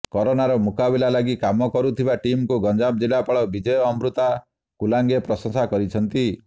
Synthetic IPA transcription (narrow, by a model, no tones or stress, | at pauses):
kɔɾonaɾɔmukabilalaɡikamɔkɔɾut̪ʰibaʈimkuɡɔnd͡ʒab̚d͡ʒilapaɭɔbid͡ʒɔjɔːmbɾut̪a | kulaŋɡepɾɔsɔ̃ŋsakɔɾit͡ʃʰɔnt̪i